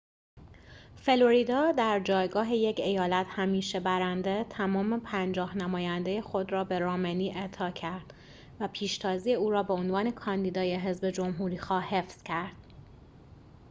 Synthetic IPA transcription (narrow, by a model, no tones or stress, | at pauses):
fe̞loɾiːd̪ɒːd̪æɾd͡ʒɒːjɡɒːɦe̞je̞ce̞jɒːlæt̪hæmiːʃebæɾænd̪e̞t̪ʰæmɒːmepʰænd͡ʒɒːhnæmɒːjænd̪e̞je̞xo̞d̪rɒːbe̞ɾɒːmeniːʔe̞ʔt̪ʰɒːcʰæɾd̪̥ | væpʰiːʃt̪ʰɒːziːjeuːɾɒːbe̞o̞nvɒːne̞kʰɒːnd̪iːd̪ɒːjeɦe̞zbe̞d͡ʒo̞mɦuːɾiːxɒːhe̞fz̥cʰæɾd̪̥̚